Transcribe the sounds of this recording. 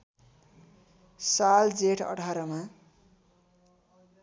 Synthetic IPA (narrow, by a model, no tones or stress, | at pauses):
sald͡zeʈʰʌ̰ʈʰaɾʌma